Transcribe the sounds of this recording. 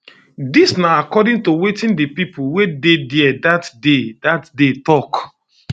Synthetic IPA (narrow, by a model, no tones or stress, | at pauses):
disnaakɔdĩŋtowetĩndipipʰuwedediɛdatdedatdetɔk